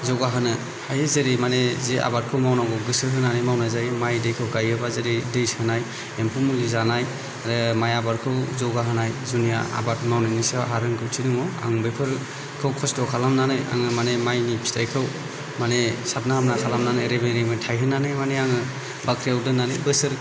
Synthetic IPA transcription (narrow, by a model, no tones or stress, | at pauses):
zɔɡaɦɯnɯ | hajezeɾimanezeʔa̰baɾ̚kʰɯwmawnaɡɔɡɯsɯɦɯnanɯjmawnazaɾimajdejkʰɯwɡajɯbazeɾidejsɯnaj | empʰumulizanaj | aɾɯmajabaɾkʰɯwzɔɡaɦɯnajzunija̰a̰batmawninisaɦaɾɯnkʰɯwtʰinuŋɔa̰ŋbepʰɯɾ | kʰɯwkʰɔstɔkʰalamnanɯja̰ŋɯmanemajnipʰi̥tʰajkʰɯw | manesap̚nahamnakʰalamnanɯjɾebejɾemɯtʰajɦɯnanɯjmaneaŋɯ | bakʰɾijawdɯnːanɯbɯsɯɾ